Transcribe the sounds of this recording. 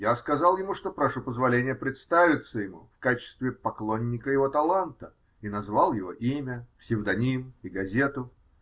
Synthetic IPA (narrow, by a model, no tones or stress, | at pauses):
jaskɐzɑlˠjɪmuʂt̪opɾɐʂupəzvɐlʲenʲɪjəpɾʲɪt̪st̪avʲɪt̪səjɪmṵfkat͡ɕɪ̥st̪vʲɪpɐklˠonʲːɪkəjɪvo̞t̪ɐlˠant̪ə | inɐzvalˠjɪvo̞ʔimʲəfsʲɪvd̪ɐnʲimiɡɐzʲe̞t̪ʊ